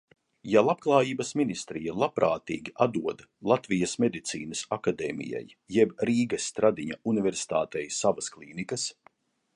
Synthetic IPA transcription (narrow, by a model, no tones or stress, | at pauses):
jalˠab̥̚klˠaːjiːbɐsminist̪ɾijalˠapɾaːt̪iːɡʲiʔad̪uɔd̪ | lˠat̪vijɐsmed̪it̪sḭːnɐsakad̪eːmḭja̰j | jɛbɾiːɡɐsːt̪ɾad̪iɲaunivʲɛɾsi̥t̪a̰ːt̪ɛjsavasklˠiːnikɐs